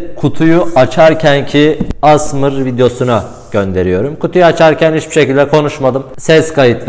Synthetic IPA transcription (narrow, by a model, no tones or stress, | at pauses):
kʰut̪ʰujuat͡ʃʰaɾcʰæncʰiasmɯɾvid̪jo̞suna | ɟ̥ønd̪e̞ɾijo̞ɾumkut̪ʰujuat͡ʃʰaɾcʰænhit͡ʃbi̥ʃe̞cilʲd̪ɛkʰo̞nuʃmad̪ɯmsɛskʰajɯt̪ʰlˠɯ